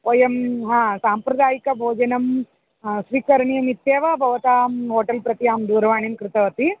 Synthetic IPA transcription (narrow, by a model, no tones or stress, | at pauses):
ojɐmɦãːsaːmpɾɐd̪aːjikɐbʱoːd͡ʒɐnɐm | sʋiːkɐɾɐɳijɐmit̪jeːʋɐbʱɐʋɐt̪aːmɦoːʈɐlpɾɐt̪ijaːmd̪uːɾɐʋaːɳimkɾɪt̪ɐʋɐt̪i